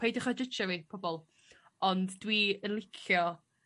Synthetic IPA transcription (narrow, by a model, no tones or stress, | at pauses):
ejdəχadət͡ʃavipʰɔbɔlˠ | ɔndːwiənlˠɪkʰjɔ